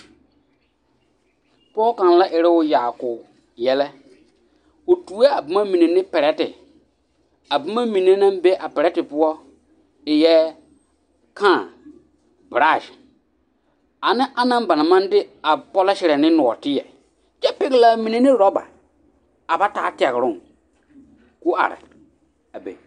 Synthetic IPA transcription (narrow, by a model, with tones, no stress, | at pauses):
pɔː˦kã˨n˨la˦ʔɪ˨ɾɪ˦wʊ˦jaː˨kʊ˨ | jɛ˦lɛ˦ | ʊ˨tu˨˦ɛ˦a˨ba˦ma˦mi˨ne˨nɪ˦pɛ˨ɾɛ˦tɪ˨ | a˨ba˦ma˦mĩ˨ne˦nã˦mbe˦ʔa˨pɛ˨ɾɛ˦tɪ˨pʊ˦ɔ˦ | ɪ˨jɛ˦ | kãː˦˨ | bɾa˦˨ʃ | a˨nɪ˦ʔa˦nã˦m˦ba˨na˨mã˦n˦dɪ˦a˨pɔ˦la˦ʃɪ˨ɾɛ˨nɪ̃˦nʊ˨ɔ̰˨tɪ˦jɛ˨ | t͡ʃɛ˦pɪ˦ɡɪ˦la˦mi˨ne˨nɪ˦ɾɔ˦ba̰˨ | a˨ba˦taː˨˦tɛ˨ɣɪ˨ɾʊ˦˨ | ku˦a̰˨ɾɪ̰˨ | a˨bḛ˨